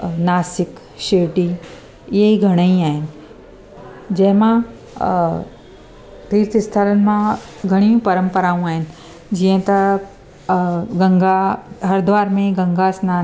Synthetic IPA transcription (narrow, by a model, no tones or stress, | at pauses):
naːsɪk | ʃeːʋʈi | ɪɦeiɡʱɐɽ̃əĩaːɦɪnɪ̆ | d͡ʑɐ̃ɦɪ̃mã | t̪iːɾt̪ɪst̪ʰələnɪ̆mã | ɡʱɐɽ̃iũpɐɾə̃mpəɾaːũaːɦɪnɪ̆ | d͡ʑiːə̃t̪ɐ | ɡɐ̃ŋɡaɦɐɾd̪ʋaːɾmẽɡɐ̃ŋɡasnaː